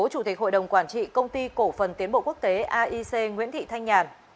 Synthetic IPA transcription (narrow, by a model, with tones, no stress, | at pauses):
o˨˦t͡ɕu˧˩t̪i˨˩k̟̚ho̰˧˨jɗə˨˩wŋ͡mkwaː˧˩nt͡ɕḭ˧˨kə˧wŋ͡mt̪i˧ko˧˩fə˨˩nt̪i˨˦ənɓo̰˧˨ku˦˥ək̚t̪e˨˦ʔaː˧ʔi˧se˧ŋwḭ˧˥ənt̪ʰḭ˧˨t̪ʰa˧jŋ̟ɲaː˨˩n